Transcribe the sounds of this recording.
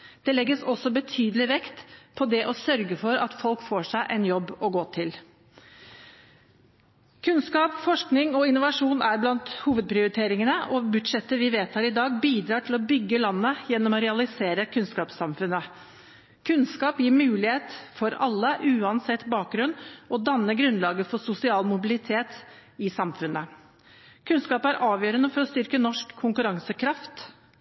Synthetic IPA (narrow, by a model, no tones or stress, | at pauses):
d̪̥ɛlɛɡːəsɔsːɔbət̪ʰyːd̪əlɪʋɛkt̪pʰɔd̪ɛʔɔsœɾɡəfɔɾɑ̰t̪fɔlkfoːʂæɪʔɛnjɔbːɔɡoːt̪ʰɪl | kʰʉnskɑːpfɔʂknɪŋɔɪnːʊʋɑʂuːnæɾblɑnt̪huːʋəd̪̚pʰɾɪʊɾɪt̪ʰeːɾɪŋənəʔɔbʉd̪ʂɛt̪ːəʋɪʋeːt̪ʰhɑːɾɪd̪ɑːɡbiːd̪ɾɑːʈʰɪlɔbʏɡːəlɑnːəjɛnːɔmɔɾɛɑlɪseːɾəkʰʉnskɑːpsɑmfʉnːə | kʰʉnskɑːpjiːɾmʉːlɪheːt̪fɔɾɑlːəʔʉːɑnsɛt̪ːbɑːk̚ɡɾʉnːɔd̪ɑnːəɡɾʉnlɑːɡəfɔsʊsɪɑːlmʊbɪlɪt̪ʰeːt̪ | ɪsɑmfʉnːə | kʰʉnskɑːpəæɾʔɑːʋjøːɾənəfɔɾɔst̪ʏɾkənɔʂkʰːʊŋkʉɾɑŋsəkʰɾɑft̪